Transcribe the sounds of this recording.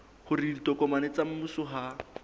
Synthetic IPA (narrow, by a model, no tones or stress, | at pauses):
hʊriditʼɔkɔmanet͡sam̩musʊɦa